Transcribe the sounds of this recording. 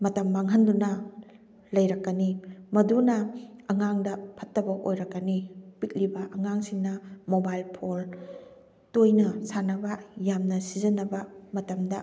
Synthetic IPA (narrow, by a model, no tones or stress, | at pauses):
mɐtɐmːaŋɦɐndunɐ | lɐjɾɐkːɐnimɐdunɐɐŋaŋdɐpʰɐtːɐbɐʔojɾɐkːɐnipit̚libɐʔɐŋaŋsiŋnɐmobajlpʰol | tojnɐsanɐbɐjamnɐsizɐnɐbɐmɐtɐmdɐ